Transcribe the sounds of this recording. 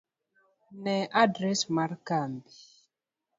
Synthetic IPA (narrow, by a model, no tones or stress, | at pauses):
nɛʔadɾɛsmarkambi